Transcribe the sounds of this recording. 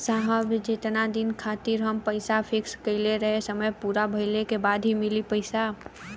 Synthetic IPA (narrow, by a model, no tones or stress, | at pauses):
saɦəbd͡ʒet̪nad̪inkʰat̪iɾɦəmpəɪsapʰɪkskəɪleɾəɦesəməjpuɾabʱəɪlekebaːd̪ʱɦimilipəɪsa